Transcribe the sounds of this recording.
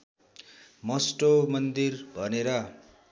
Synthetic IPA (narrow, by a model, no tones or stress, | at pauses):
mʌsʈomʌnd̪irbʱʌneɾʌ